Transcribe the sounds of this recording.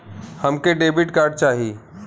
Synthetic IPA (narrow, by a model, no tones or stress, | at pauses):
həmkeɖeːbɪʈkaːɾɖ̚t͡ʃaːɦi